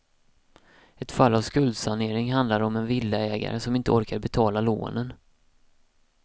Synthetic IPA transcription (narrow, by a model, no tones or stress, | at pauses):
ɛt̪falːavskɵld̪saneːɾɪŋɦand̪laɾɔmɛnvɪlːəɛːɡa̰ɾəsɔmɪnt̪əɔɾkaɾbɛt̪ʰɑːlalo̰ːnən